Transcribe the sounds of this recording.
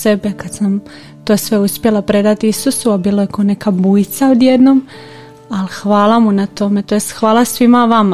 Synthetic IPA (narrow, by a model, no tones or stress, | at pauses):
sebekad̪sam | t̪osʋe̞uspjelˠapɾe̞d̪at̪iisusuabiːlajekone̞kabujt̪saod̪jed̪nom | alxʋaːlamunat̪o̞met̪ojest̪xʋaːlˠasʋimaʋama